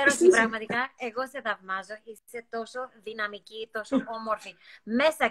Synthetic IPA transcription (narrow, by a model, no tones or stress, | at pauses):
eɾootipɾɐɣmɐt̪ikɐe̞ɣo̞se̞ðɐvmɐzo̞ise̞t̪o̞so̞ðinɐmicit̪o̞soo̞mo̞ɾfime̞sɐ